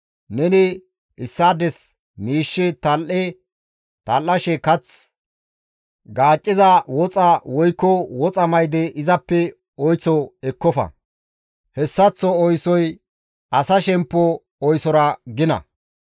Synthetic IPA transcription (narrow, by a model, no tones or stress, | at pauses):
nɛnɪ | ɪsːaːd̪ɛs | miːʃːɛt̪ɐlʔɛ | t̪ɐlːɐʃɛkɐt͡s | ɡaːt͡ʃʼːɪzɐwɔt͡sʼɐwɔjkːɔwɔt͡sʼɐmɐjd̪ɛʔɪzɐpːɛ | ɔjt͡sːɔɛkːɔfɐ̰ | hɛsːɐt͡sːɔɔjsɔj | ʔɐsɐʃɛmpːɔ | ɔjsɔɾɐɡɪnɐ̰